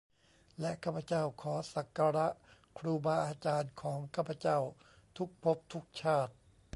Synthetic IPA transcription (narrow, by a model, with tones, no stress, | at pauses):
lɛ˦˥ʔkʰaː˥˩pʰa˧t͡ɕa˥˩wkʰɔː˩˦sa˨˩kːa˧ɾa˦˥ʔkʰɾuː˧baː˧ʔaː˧t͡ɕaː˧nkʰɔː˩˦ŋkʰaː˥˩pʰːa˧t͡ɕa˥˩w | t̪ʰu˦˥k̚pʰo˦˥p̚t̪ʰu˦˥k̚t͡ɕʰaː˥˩t̪̚